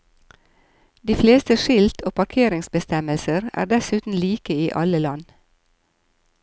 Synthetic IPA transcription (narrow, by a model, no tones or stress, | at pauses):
d̪iːfleːst̪əʃɪlt̪ʰoːpʰɑɾkʰeːɾɪŋsbəst̪ɛməlsəɾæ̰ːɖɛsʉːt̪n̩liːkəiːʔɑləlɑn